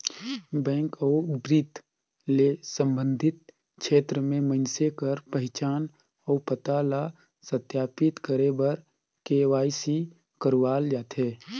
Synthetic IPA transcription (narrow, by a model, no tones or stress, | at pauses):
bɛ̃ːŋkɔːbɾit̪ | lesə̃mbə̃nd̪ʱɪt̪̚ | kʃʰeːt̪ɾəmẽmə̃nsekəɾpəɦɪt͡ʃaːn | ɔːpət̪ala | sət̪jaːpɪt̪kəɾebəɾ | keːʋaːjsi | kəɾwaːld͡ʒaːt̪ɦeː